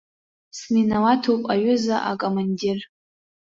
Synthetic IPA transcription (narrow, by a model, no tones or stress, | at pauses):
sninawatʰowpʼaɥʊzaʔakʼomandir